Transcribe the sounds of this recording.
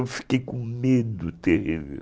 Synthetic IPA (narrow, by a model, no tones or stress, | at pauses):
wfi̥kejkõmed̪ʊt̪ehivḛw